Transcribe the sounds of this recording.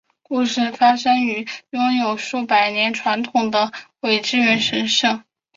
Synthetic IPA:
ku˥˧ʂɻ̩˥˩fa˥ʂɤ˥ŋy˧˥jʊ˥ŋjo˨˩ʊʂu˥˩pa˨˩ɪnjɛ˧˥nʈ͡ʂʰwa˧˥nt̪ʰʊ˨˩ŋd̪ə˦we˨˩ɪʈ͡ʂɻ̩˥˧ɥɛ˧˥nʂə˧˥nʂɤ˥˩ŋ

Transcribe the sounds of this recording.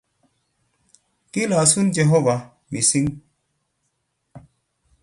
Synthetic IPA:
ki˦la˨su˦nd͡ʒe˨ɦo˦va˨ | mi˨si˦ŋ

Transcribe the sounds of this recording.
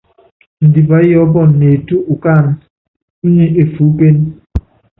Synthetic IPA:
n̩˨di˨ba˨˦jɔ˨˦bɔ˦˨nːe˨tu˦ʔu˨kaː˦˨n̩˦ | ɲi˦e˨fu˨˦pe˦n

